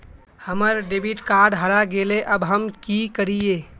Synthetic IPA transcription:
həməɾɖebʱiʈkaɾɖɦəɽaɡeleʔəbɦəmkikəɾie

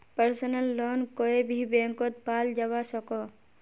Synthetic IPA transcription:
pəɾsənəlːoːnkoebʱibẽːŋkot̪̚paːld͡ʒɐʋasɔko

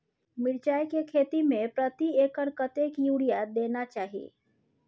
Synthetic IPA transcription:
mɪɾt͡ʃaːjkekʰeːt̪imẽpɾət̪ieːkəɾkət̪eːkjuːɽijad̪eːnat͡ʃaːɦijḛː

